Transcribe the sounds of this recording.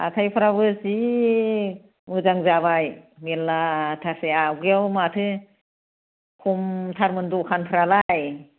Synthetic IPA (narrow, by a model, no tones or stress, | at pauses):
a̰tʰajpʰɯɾaβɯsi | mɯzaŋzaβajmelːatʰaseawɡeawmatʰɯ | kʰumtʰaɾmɯndukʰanpʰɯɾalaj